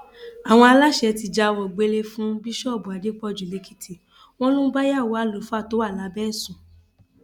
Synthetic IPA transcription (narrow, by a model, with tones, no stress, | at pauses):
a˨w̃ɔ̃˧a˧la˦ʃɛ˧ti˧d͡ʒa˧wɔ˨ɡ͡be˨˧le˧fũ˦bi˦ʃɔ˦˨bu˨a˨de˨˦k͡pɔ˧˨d͡ʒu˨le˨˧˦ki̥˦tʰi˨ | w̃ɔ̃˦lũ˦ba˦ja˦˨wo˨a˨˦˨lo˨˦fũ˦a˦˨to˨˦wa˦˨la˨˦bɛ˦˨sũ˨